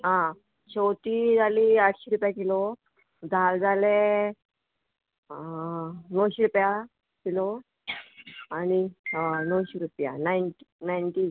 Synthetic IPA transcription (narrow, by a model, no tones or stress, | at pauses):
ɦã | t͡ɕowt̪id͡zʱaliaʈʰɕiɾupjakilɔ | d͡zʱald͡zʱale | nɔwɕiɾupja | kilɔ | aninɔwɕiɾupja̰najnʈinajnʈi